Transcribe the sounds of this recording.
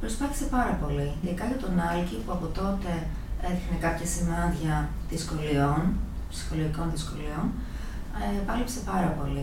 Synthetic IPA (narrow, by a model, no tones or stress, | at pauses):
pɾospɐθi̥se̞pɐɾɐpo̞liinðikɐʝɐt̪o̞nɐlcipuɐpo̞t̪o̞t̪e̞ | eɾixnekɐpçɐsinɐnðʝɐ | ðisko̞lio̞n | psi̥xo̞loʝiko̞nðisko̞lio̞n | pɐlipse̞pɐɾɐpo̞li